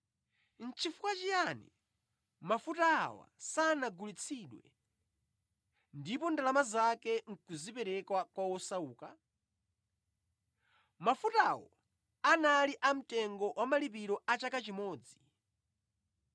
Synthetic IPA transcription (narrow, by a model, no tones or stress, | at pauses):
n̩t͡ʃʰifukwat͡ʃijanḭ | mafutaːwa̰sanaɡulit͡sʰiɗwɛ̰ | ndipɔndalamazakɛŋ̩kuzipɛɾɛkwakwawɔsauːka | mafutawɔ̰ | analiʔam̩tɛŋɡɔwʔamalip̬iɾɔat͡ʃakat͡ʃimɔːd͡zi